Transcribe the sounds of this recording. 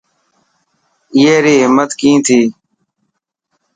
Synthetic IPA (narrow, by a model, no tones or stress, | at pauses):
ɪeːɾiːɦɪmːət̪kĩːt̪ʰiː